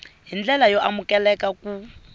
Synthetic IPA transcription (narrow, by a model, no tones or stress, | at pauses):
ɦind͡ɮɛlajɔamukɛlɛkaku